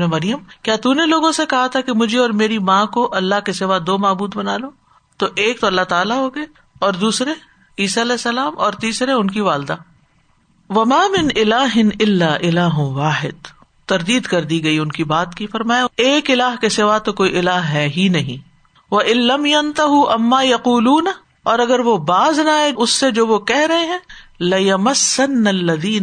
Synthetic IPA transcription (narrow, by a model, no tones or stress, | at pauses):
emɐɾɪjəmkjaːt̪uneloːɡõsekɐɦat̪ʰakemʊd͡ʒʱeɔːɾmeːɾimãkoʔɐlːaɦkesɪʋad̪oːmaːbuːd̪bɐnaːloː | t̪oʔeːk̚t̪oɐlːaɦt̪aːlaɦoːɡɐe | ɔːɾd̪uːsɾe | iːsaɐlɛːsːɐlaːmɔːɾt̪iːsɾeʊnkiʋaːld̪aː | ʋɐmaːmɪnɪlaːɦɪnɪlːaːʔɪlaːɦʋaːħɪd̪ | t̪ɐɾd̪iːd̪kɐɾd̪iɡɐiʊnkibaːt̪kifɐɾmaːjaeːkɪlaːɦkesɪʋat̪okoːiʔɪlaːɦɦɛːɦinɐɦĩː | ʋɐʔɪnlɐmjɐnt̪ɐɦuʔɐmːaːjɐquːluːn | ɔːɾɐɡəɾʋobaːznaːeʊsːed͡ʒoːʋokɛɦɾɐɦẽɦɛ̃ːlɐjɐmɐsːɐnːɐlːɐðiːn